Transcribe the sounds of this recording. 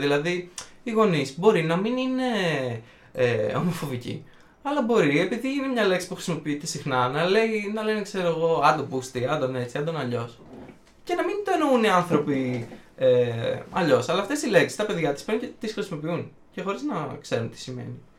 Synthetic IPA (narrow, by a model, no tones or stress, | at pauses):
ðilɐðiiɣo̞nisbo̞ɾinɐminine̞ | eo̞̰mo̞fo̞vicḭ | ɐlɐbo̞ɾie̞piðiʝinemɲɐle̞ksi̥puxɾisimo̞piit̪esixnɐnɐle̞inɐlenekse̞ɾoeɣo̞ɐnd̪opust̪iɐnd̪o̞ne̞t͡siɐnd̪onɐʎo̞s | ce̞nɐmint̪oenouniɐnθɾo̞pi | eɐʎo̞sɐlɐːft̪est̪ile̞ksi̥st̪ɐpe̞ðʝɐt̪i̥spencet̪isxɾisimo̞piun | ce̞xo̞ɾiznɐkse̞ɾunt̪i̥simḛni